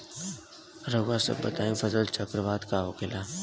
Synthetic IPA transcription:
ɾoɡasə̰bbːə̰t̪aːẽfəzəlt͡ʃəkɾəʋaːd̪kaːɦokɪlaː

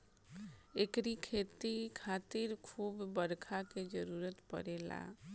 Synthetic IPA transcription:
ekɾikʰet̪ikʰat̪iɾkʰuːbːəɾkʰaked͡ʒəɾuɾət̪pə̰ɾela̰

